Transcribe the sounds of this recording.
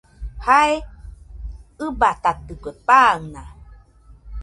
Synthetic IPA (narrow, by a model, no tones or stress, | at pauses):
haj | ɯbat̪ad̪əkʷəpaŋna